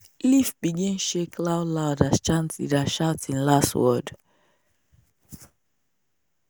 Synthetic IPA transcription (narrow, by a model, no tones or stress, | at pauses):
lifbiɡɛ̃nʃeklaʊlaʊdast͡ʃãnsḭdaʃaʊtĩnlastwɔd